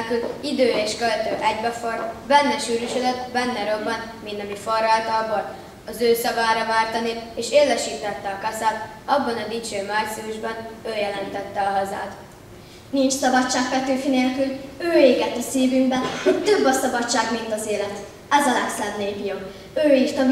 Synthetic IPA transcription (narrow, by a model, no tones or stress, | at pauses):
lkylid̪øːeːʃkølt̪øːʔɛɟbɛforbɛnːɛʃyːɾyʃød̪ɛt̪bɛnːɛɾo̞bːɒn | mind̪ɒmiforaːlt̪ɒlboːl | ɒzøːsɒvaːɾɒvaːrt̪ɒnieːʃeːlːɛʃiːt̪ɛt̪ːɛɒkɒsaːt̪ | ɒbːɒnɒd̪it͡ʃøːmaːrt̪siuʒbɛnøːjɛlɛnt̪ɛt̪ːɛɒɦɒza̰ːt̪ | nint͡ʃsɒbɒt͡ʃːaːkpɛt̪yːfineːlkyløːeːɡɛt̪ːɒsiːvyŋɡbɛnhot̪ø̞bːɒsɒbɒt͡ʃːaːɡmint̪ɒzeːlɛt̪ | ɛzɒlɛkslɛmneːpijok | øːirt̪ɒ